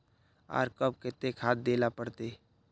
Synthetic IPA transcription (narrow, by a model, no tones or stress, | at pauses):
a̰ːɾkəb̚kɪt̪ːekʰaːt̪̚d̪eːlapəɽt̪eː